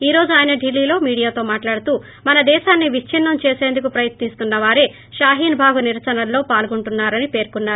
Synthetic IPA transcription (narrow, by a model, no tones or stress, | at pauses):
iːɾo̞ːd͡ʒuaːjinɐɖilːiːlo̞ːmiːɽijaːt̪o̞ːmaːʈlaːɽut̪uː | mɐnɐd̪ɛːʃaːnːiʋit͡ʃʰinːɐmt͡ʃe̞ːse̞ːnd̪ukupɾɐjɐt̪nist̪unːɐʋaːɾe̞ː | ʃaːɦiːnbʱaːɡuniɾɐt͡ʃɐnɐlːo̞ːpaːlɡuɳʈunːaːɾɐnipe̞ːɾkunːaːɾu